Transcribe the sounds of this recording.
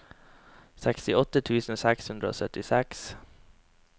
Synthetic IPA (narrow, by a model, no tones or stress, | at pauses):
sɛkst̪ɪɔt̪ət̪ʰʉːsn̩sɛkshʉnd̪ɾəo̰ːsœt̪ɪsɛks